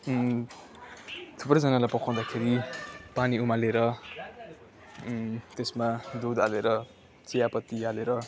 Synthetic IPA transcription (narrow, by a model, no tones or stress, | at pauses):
t̪ʰuprʌd͡zʌnalajpʌkʰaw̃d̪akʰeɾipaniumaleɾʌ | t̪esmad̪ud̪aleɾʌ | t͡sijapʌt̪ːialeɾʌ